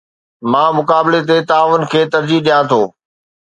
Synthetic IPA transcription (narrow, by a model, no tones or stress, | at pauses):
mãːmʊkaːbɪlet̪̬et̪aːʋʊnkʰeːt̪ɐɾd͡ʑiɦɗijãːt̪ʰoː